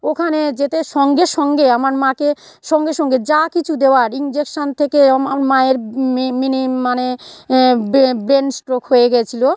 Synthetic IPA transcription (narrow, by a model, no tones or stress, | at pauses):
okʰaned͡ʑet̪eʃɔŋɡeʃɔŋɡeamaɾmãke | ʃɔŋɡeʃɔŋɡed͡ʑakit͡ɕʰud̪eoaɾind͡ʑekʃont̪ʰekeamaɾmaeɾminimːane | bbɾensʈɾokɦojeɡɛt͡ɕʰilo